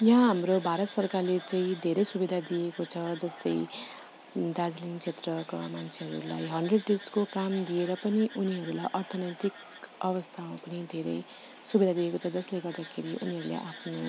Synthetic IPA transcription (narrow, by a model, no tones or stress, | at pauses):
jɦãɦamɾobʱaɾʌt̪sʌrkarlet͡saĩd̪ʱeɾʌjsubid̪ʱad̪iekot͡sʰʌd͡zʌst̪ʌj | d̪ad͡zliŋt͡sʰet̪rʌkamant͡sʰeɦʌɾṵla̰jɦʌɳɖreɖ̚ːiskokamd̪ieɾʌpʌniʔuniɦʌɾulajʔʌrt̪ʰʌnʌt̪ik | ʌβʌst̪ʰamapʌnid̪ʱeɾʌ̰j | subid̪ʱad̪iekot͡sʰʌd͡zʌsleɡʌrd̪akʰeɾiʔṵniɦʌɾulḛʔa̰pʰno